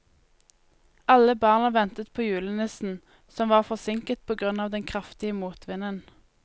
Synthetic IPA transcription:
ɑləbɑːʁnəʋɛnt̪ət̪̚pʰoːjʉːlənɪsn̩ | sɔmʋɑːʁfɔsɪŋkət̪̚pʰoːɡʁʉnɑːʋd̪ɛnkʰʁɑft̪ɪəmuːt̪ʰʋɪnən

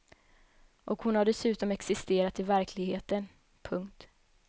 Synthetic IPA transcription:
ʔɔkhʊnhaɖɛsʉ̟ːt̪ɔmɛksɪst̪eːɾat̪ɪvæɾkʰlɪɡheːt̪ən | pʰɵŋkt̪

